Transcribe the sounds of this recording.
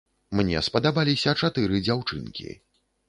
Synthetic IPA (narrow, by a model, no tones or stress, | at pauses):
mnʲɛ̰spɐd̪abalʲisʲɐt͡ʂat̪ɨɾɨd͡zʲawt͡ʂɨ̰nkʲḭ